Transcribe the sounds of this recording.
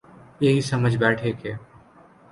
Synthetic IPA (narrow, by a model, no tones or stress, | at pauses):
jeɦisɐməd͡ʒʱbɛːʈʰeːkʰeː